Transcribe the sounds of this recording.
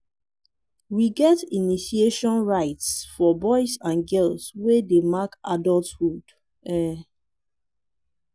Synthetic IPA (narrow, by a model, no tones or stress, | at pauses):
wiɡɛtiniʃieʃɔ̃nɹaɪtsfɔbɔɪsãnɡɛlswedemakadɔlthud | ɛ